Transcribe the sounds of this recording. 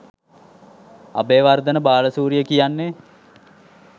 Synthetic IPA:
a̰beːʋard̪ənəbaːləsuːɾijəkijanːe

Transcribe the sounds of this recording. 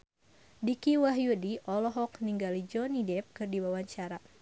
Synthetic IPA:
dikiwaɦjudiʔɔlɔɦɔkniŋɡalid͡ʒɔnidɛp̚kɨrdiwawaɲt͡ʃaɾa

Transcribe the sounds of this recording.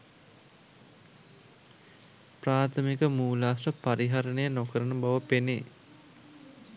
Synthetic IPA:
praːt̪ʰəmikəmuːlaːsəpaɾiɦaɾənəjənokəɾənəbaʋəpene

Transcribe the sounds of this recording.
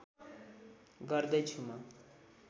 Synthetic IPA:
ɡʌrd̪ʌjt͡sʰumʌ

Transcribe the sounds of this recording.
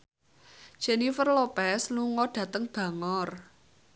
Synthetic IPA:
ʒ̥enifərlopɛsluŋɔɖ̥ä̤t̪əŋb̥ä̤ŋɔr

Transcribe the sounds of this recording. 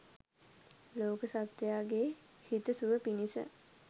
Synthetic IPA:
loːkəsat̪jaːɡehit̪əsuʋəpinisə̰

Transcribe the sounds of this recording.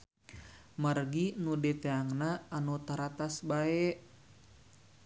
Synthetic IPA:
marɡinudɛt̪eaŋnaːnut̪aɾat̪asbaɛʔ

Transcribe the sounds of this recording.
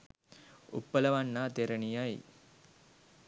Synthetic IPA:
ṵpːələʋanːaːt̪eɾənijaj

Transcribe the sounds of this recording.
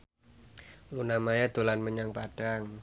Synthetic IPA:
ŋunamajad̪̥olanməɲaŋpad̥aŋ

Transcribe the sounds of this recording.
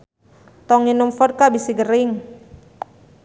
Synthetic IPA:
t̪ɔŋinumfɔd̚kabisiɡəɾɪŋ

